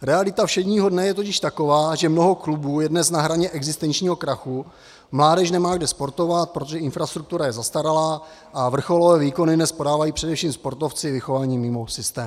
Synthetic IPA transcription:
ɾɛalɪt̪afʃɛdɲiːɦo̞dnɛjɛt̪ocɪʃt̪ako̞vaːʒɛmno̞ɦo̞klubuːjɛdnɛsnaɦɾaɲɛʔɛɡzɪst̪ɛnt͡ʃɲiːɦo̞kɾaxu | mlaːdɛʃnɛmaːɡdɛspo̞ɾt̪o̞vat̪̚pɾot̪oʒɛɪnfɾast̪ɾuk̚t̪uɾajɛzast̪aɾalaː | ʔavr̩xo̞lovɛːviːko̞nɪdnɛspo̞daːvajiːpr̝̥ɛdɛfʃiːmspo̞ɾt̪o̞ft͡sɪvɪxo̞vaːɲiːmɪmo̞sɪst̪ɛːm

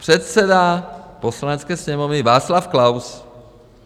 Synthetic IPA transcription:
pr̝̥ɛt̪sɛdaposlanɛt͡skɛːsɲɛmovnɪvaːt͡slafklaws

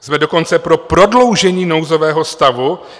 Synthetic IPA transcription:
zmɛdo̞ko̞nt͡sɛpɾo̞pɾo̞dlo̞wʒɛɲiːno̞wzovɛːɦo̞st̪avu

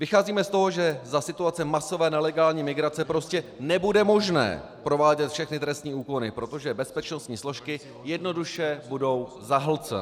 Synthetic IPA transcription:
vɪxaːziːmɛst̪o̞ɦo̞ʒɛzasɪt̪uat͡sɛmaso̞vɛːnɛlɛɡaːlɲiːmɪɡɾat͡sɛpɾo̞scɛnɛbudɛmo̞ʒnɛ̰ːpɾo̞vaːɟɛt̪fʃɛxnɪt̪ɾɛst̪ɲiːʔuːko̞nɪpɾo̞t̪o̞ʒɛbɛspɛt͡ʃno̞st̪ɲiːslo̞ʃkɪ | jɛdno̞duʃɛbudo̞w | zaɦl̩t͡sɛ̰

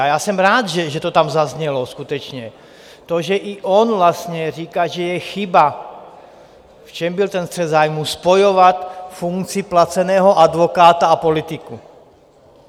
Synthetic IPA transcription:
ajaːsɛmɾaːd̪ʒɛʒɛt̪ɔt̪amzazɲɛlɔskut̪ɛt͡ʃɲɛ | t̪ɔʒɛʔiʔɔnvlast̪ɲɛɾiːkaʒɛjɛxiba | ft͡ʃɛmbilt̪ɛnst̪rɛzaːjmuspɔjɔʋat̪fuŋkt͡siplat͡sɛnɛːɦɔʔad̪ʋɔkaːt̪aapɔlit̪iku

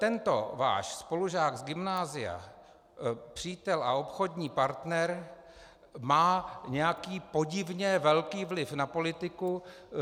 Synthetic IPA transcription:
t̪ɛnt̪o̞̰va̰ːʃspo̞luʒaːɡzɡɪmnaːzɪja̰ | pr̝̥iːt̪ɛlʔa̰opxo̞dɲiːpaɾt̪nɛɾ | maːɲɛjakiːpo̞ɟɪvɲɛvɛlkiːvlɪfnapolɪt̪ɪku

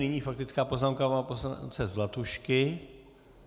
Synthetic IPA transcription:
nɪɲiːfak̚t̪ɪt͡skaːpo̞znaːmkaaːposant͡sɛzlat̪uʃkɪ

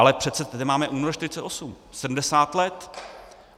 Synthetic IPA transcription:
alɛpr̥ɛt̪sɛt̪adɪmaːmɛʔuːnoɾʃt̪ɪɾɪ̥t͡sɛt̪ʔosum | sɛdm̩dɛsaːt̪lɛt̪

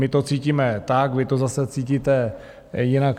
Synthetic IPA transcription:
mɪt̪o̞t͡siːciːmɛt̪akvɪt̪ozasɛt͡siːciːt̪ɛ | jɪnak

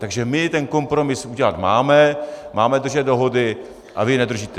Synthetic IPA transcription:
t̪aɡʒɛmɪt̪ɛnko̞mpɾo̞mɪsuɟɛlat̪maːmɛmaːmɛd̪r̩ʒɛt̪̚do̞ɦo̞dɪ | ʔa̰vɪnɛd̪r̩ʒiːt̪ɛ

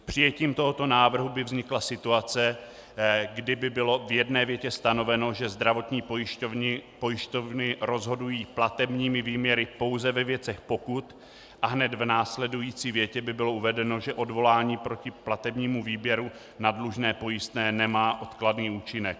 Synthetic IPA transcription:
pr̝̥ɪjɛciːmt̪o̞ɦot̪o̞naːvr̩ɦubɪvzɲɪklasɪt̪uat͡sɛ | ɡdɪbɪbɪlo̞vjɛdnɛːvjɛcɛst̪ano̞vɛno̞ʒɛzd̪ɾavo̞t̪ɲiːpojɪʃvpo̞jɪʃt̪ovnɪɾo̞zɦo̞dujiːplat̪ɛbɲiːmɪviːmɲɛɾɪpo̞wzɛvɛvjɛt͡sɛxpo̞kut̪ | ʔaɦnɛt̪vnaːslɛdujiːt͡siːvjɛcɛbɪbɪlo̞ʔuvɛdɛno̞ʒɛʔo̞dvo̞laːɲiːpɾo̞cɪplat̪ɛbɲiːmuviːbjɛɾu | nadluʒnɛːpo̞jɪst̪nɛːnɛmaːʔo̞t̪kladniːuːt͡ʃɪnɛk̚

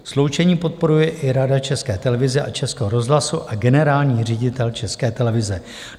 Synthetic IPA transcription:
slowt͡ʃɛɲiːpo̞t̪̚po̞ɾujɛʔɪɾadat͡ʃɛskɛːt̪ɛlɛvɪzɛʔat͡ʃɛskɛːɦoɾo̞zɦlasuʔaɡɛnɛɾaːlɲiːrɛɟɪt̪ɛlt͡ʃɛskɛːt̪ɛlɛvɪzɛ

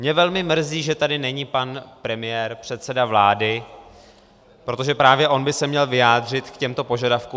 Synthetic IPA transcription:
mɲɛvɛlmɪmr̩ziːʒɛt̪adɪnɛɲipanpɾɛmɪjɛːɾpr̝̥ɛt̪sɛdavlaːdɪ | pɾo̞t̪oʒɛpɾaːvjɛʔo̞nbɪsɛmɲɛlvɪjaːd̪r̝ɪt̪kcɛmt̪o̞po̞ʒadafku

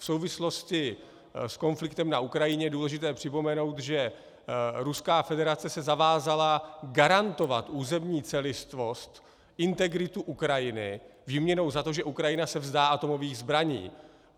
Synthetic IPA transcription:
fso̞wvɪslo̞scɪ | sko̞nflɪkt̪ɛmnaʔukɾajɪɲɛduːlɛʒɪt̪ɛːpr̝̥ɪpo̞mɛno̞wt̪ʒɛ | ɾuskaːfɛdɛɾat͡sɛsɛzavaːzalaɡaɾant̪o̞vat̪ʔuːzɛmɲiːt͡sɛlɪst̪vo̞st̪ | ʔɪnt̪ɛɡɾɪt̪uʔukɾajɪnɪ̰vimɲɛno̞wzat̪o̞ʒɛʔukɾajɪnasɛvzdaːʔat̪o̞mo̞viːɣzbɾaɲḭː

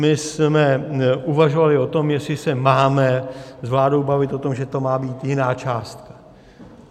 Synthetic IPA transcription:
mɪsmɛʔuvaʒovalɪo̞t̪o̞mjɛsɪsɛmaːmɛzvlaːdo̞wbavɪt̪ʔot̪o̞mʒɛt̪o̞maːbiːt̪jɪnaːt͡ʃaːst̪kḁ

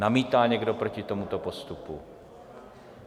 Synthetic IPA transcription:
amiːt̪aːɲɛɡdopɾocɪt̪omut̪opost̪upṵ

